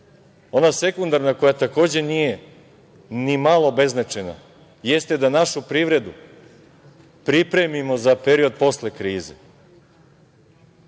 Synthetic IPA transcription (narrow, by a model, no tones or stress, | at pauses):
o̞nase̞kund̪aɾnako̞jat̪ako̞ːd͡ʑe̞nije | nimalˠo̞be̞znat͡ʃena̰ | je̞st̪e̞d̪anaʃupɾiːʋɾe̞d̪u | pɾipɾe̞mimo̞zapeɾio̞d̪̚po̞slekɾiːzḛ